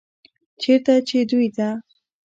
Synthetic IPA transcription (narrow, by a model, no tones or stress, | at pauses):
t͡ʃeɾt̪at͡ʃed̪ujd̪a